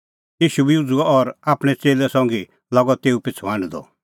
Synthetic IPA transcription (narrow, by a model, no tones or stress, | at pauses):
jiːʃubiud͡zuaɔɾaːpɽ̃ɛt͡seːlɛsɔ̃ŋɡi | lɔɡɔt̪eːupɪt͡sʰʋãːnd̪ɔ̰